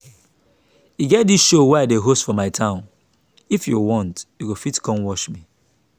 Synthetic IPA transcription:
iɡɛt̚disʃowaɪadeɦostfɔmaɪtʰãʊ̃n | ifjuwɔ̃ntjukufitkʰɔ̃nwɔʃmi

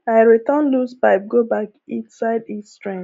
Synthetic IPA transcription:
aɪɹitɔ̃nluspaɪp̚ɡobakĩnsaɪditstɹɛ̃ŋ

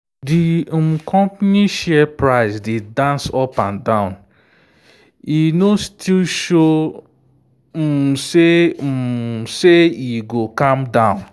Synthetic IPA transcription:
dim̩kʰɔ̃mpniʃɛpɹaɪsdedãnsɔpãndãʊ̃n | inostʰilʃo | se | seiɡokãmdãʊ̃n

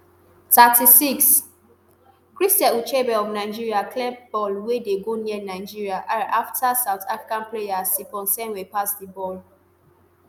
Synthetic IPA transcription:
tatʰisiks | kɹistɛ̃ut͡ʃebɛɔfnaɪd͡ʒiɹiakʰlɛb̥ɔlwedeɡoniɛnaɪd͡ʒiɹiaʔãnʔaftʰasaʊtʰafɹikãnplejasikɔ̃nsɛ̃nwepasdibɔl

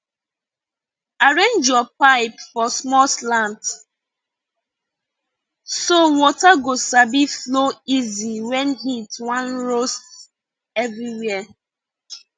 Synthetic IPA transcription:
aɹẽnd͡ʒɔpaɪpfɔsmɔlslãnt | sowɔtaɡosabifloiziwɛnɦitwãnɹost | ɛvɾiwɛ

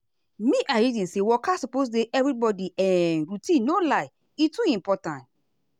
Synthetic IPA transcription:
mĩʔaɹidĩnsewɔkasupos̬deʔɛvɾibɔdiʔãnɹutĩnːolaɪ | ituĩmpɔtãnt

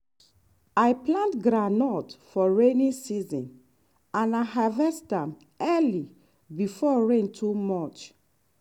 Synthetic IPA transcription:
ajplãntɡɾanɔtfɔɹenĩnsizɔ̰̃n | ãnaɦavɛstam | ɛli | bifɔɹẽntʰumɔt͡ʃ

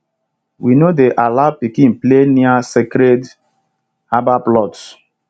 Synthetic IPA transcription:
winodeʔalapikĩnpleniasekɾed | abaplɔts

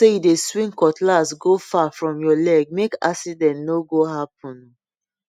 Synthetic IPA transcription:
sejudeswĩŋkɔtlasɡofafɹɔ̃mjɔlɛɡ̚meka̰sidɛ̃ntnoɡoɦap̚ɔ̃n

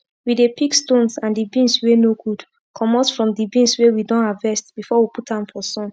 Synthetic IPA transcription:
widepikstõnsãndibĩnswenoɡud̥ | kʰɔmɔsfɹɔ̃mdibĩnswewidɔ̃nhavɛstb̥ifɔwiputãmfɔsɔ̃n

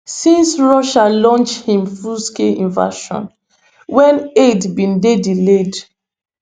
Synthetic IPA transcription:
sĩnsɹɔʃalɔ̃nt͡ʃhĩmfuskeĩnva̰ʃɔ̰̃n | wɛ̃nedbĩndediled

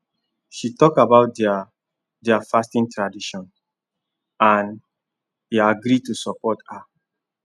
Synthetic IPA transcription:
ʃitɔkabaʊt̚d | dɛafastĩntɹadiʃɔ̃n | ãn | hiaɡɾitusɔpɔtha

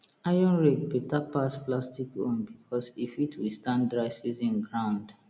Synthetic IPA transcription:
ajɔ̃nɹeɡ̚betapasplastikɔ̃nbikʰɔsifitʰwistãndɹaɪsizĩnɡɹãʊ̃nd

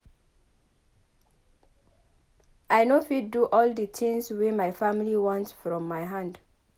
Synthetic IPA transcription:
ʔaɪnofidduʔɔldətʰɪ̃ŋswemaɪfamiliwɔ̃ntsfɹɔ̃mːaɪɦãnd

